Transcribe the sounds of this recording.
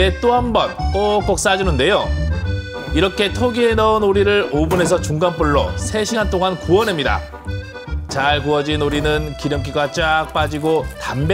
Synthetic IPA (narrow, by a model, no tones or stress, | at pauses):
et͈oɦambʌnpok͈ʌk̚s͈ad͡ʑinɯnde̞jo | iɾʌkʰe̞tʰoɡie̞nʌunoɾiɾɯɭobune̞s̬ʰʌt͡ɕuŋɡanp͈uɭːʌ̰sʰe̞ɕʰiɡant͈oŋankuʌnɦe̞mɲida̰ | t͡ɕaɭkuʌd͡ʑinoɾinɯnkiɾjʌmk̬͈iɡat͡ɕ͈ak̚p͈ad͡ʑiɡotamb